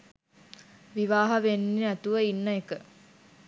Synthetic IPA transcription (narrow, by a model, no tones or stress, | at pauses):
ʋiʋaːɦɐʋenːiæt̪uʋəinːəekə